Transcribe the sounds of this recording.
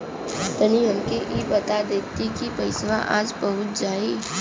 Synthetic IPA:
t̪ɐniɦɐmkeʔiːbɐt̪ad̪eːt̪ikipɐɪsʋãʔa̰ːd͡ʒbɐɦʊt̪̚d͡ʒaːi

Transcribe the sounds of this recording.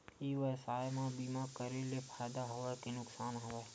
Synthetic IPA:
iːʋəsaːjmãbiːmakəɾelepʰaːjd̪aɦowəkinʊksaːnɦoʋeː

